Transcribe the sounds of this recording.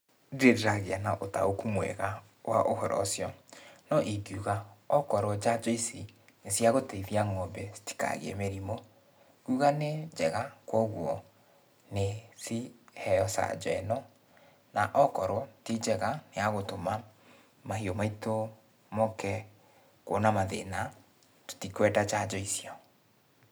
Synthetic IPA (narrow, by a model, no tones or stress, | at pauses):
deɾeɾaɣeanaʔota̰okumwɛ̰ɣa | wa̰ʔohɔɾɔ̰sjɔnɔʔiɡuɣaɔkɔɾɔd͡ʒad͡ʒɔisi | nesjaɣoteiðiaŋɔmbɛsi̥ti̥ka̰ɣḛɛ̰meɾimɔ | kuɣaned͡ʒɛɣakwɔɣwɔ | neθihɛɔsa̰d͡ʒɔɛnɔ | naʔɔkɔɾɔtid͡ʒɛɣaneaɣotoma | mahiomaito | mɔkɛ | ko̰namaðḛna | to̥tikwɛtat͡ʃad͡ʒɔisiɔ